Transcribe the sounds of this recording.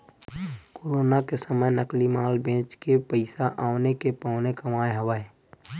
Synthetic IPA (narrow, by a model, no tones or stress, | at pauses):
koːɾoːnakesəməjnəklimaːlbẽːt͡ʃkepəɪsaʔaːʋnekepaːʊnekəmaːeɦəʋaː